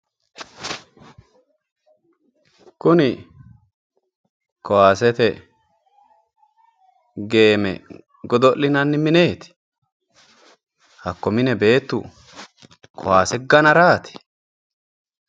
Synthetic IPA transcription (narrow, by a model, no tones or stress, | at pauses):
kʊnɪ | kɔwaːsɛt̪ɛ | ɡe̞ːmɛ̰ | ɡɔd̪ɔlːɪnɐnːɪmɪne̞ːt̪ɪ̥ | hɐkːɔmɪnɛbe̞ːt̪ːʊ̰ | kʰɔ̰waːsɛɡɐnɐɾaːt̪ɪ̥